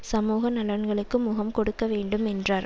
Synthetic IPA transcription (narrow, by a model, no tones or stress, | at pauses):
sɐmuːɣɐnɐlɐɳɡɐɭɯkːɯmʊɣɐmkɔɽɯkːɐʋeːɳɖɯmɛndraːɾ